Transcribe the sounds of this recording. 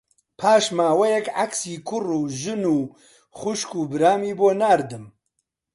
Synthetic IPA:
pʰaːʃmaːwɐjɛkʕaksiːkʰʊruːʒɨnuː | χʊʃkuːbɨɾaːmiːboːnaːɾd̪ɨm

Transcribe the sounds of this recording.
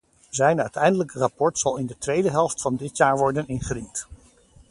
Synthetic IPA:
zɛjnœɥtɛjndələkərapɔɹtsɑlˠɪndətʋejdəɦɛlˠftfɑndɪtjaːɹʋɔɹdənɪnχərint

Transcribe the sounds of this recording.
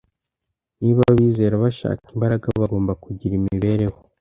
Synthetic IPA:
niβaβiːze̞ːɾaβaʃa̰ːkimbaɾaɡaβaɡo̞ːmbakuɟiɾimiiβe̞ɾe̞ho

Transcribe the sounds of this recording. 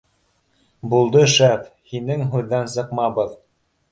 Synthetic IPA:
bulˠd̪ɤʃæfhinɘŋɦʉðːæns̬ɤ̆qmɑbɤð

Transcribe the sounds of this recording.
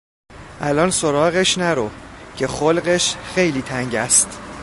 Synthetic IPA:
ʔælɒːnsoɾɒːɣeʃnæɾocʰe̞xolɢeʃxe̞jliːt̪ʰæŋɟæst̪

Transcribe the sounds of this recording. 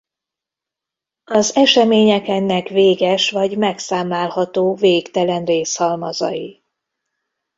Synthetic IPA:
ɒzɛʃɛmeːɲɛkɛnːɛkveːɡɛʃʋɒɟmɛksaːmlaːlhɒt̪oːveːkt̪ɛlɛnreːshɒlmɒzɒ̰ji

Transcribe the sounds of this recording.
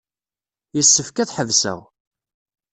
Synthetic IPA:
jəsːəfkæθħəvsæ̰w

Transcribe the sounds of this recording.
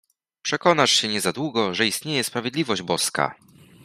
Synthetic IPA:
pʂɛkɔnaʂɕɛɲɛzad̪wuɡɔʐɛist̪ɲejɛspɾavʲjed̪lʲivɔʑd͡ʑbɔska̰

